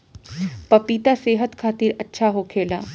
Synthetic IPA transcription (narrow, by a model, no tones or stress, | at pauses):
pɐpiːt̪aseːɦət̪kʰaːt̪ɪɾɐtːʃʰaɦokʰeːla̰ː